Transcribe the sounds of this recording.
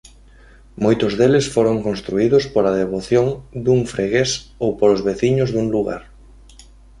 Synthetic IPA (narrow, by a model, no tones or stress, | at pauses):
mojt̪ʊzðelɪsfoɾoŋkõnst̪ɾuiðʊspoɾɐð̞eβ̞oθjoŋd̪uŋfɾeɣesowpoɾozβeθiɲʊzðuŋluɣa̰ɾ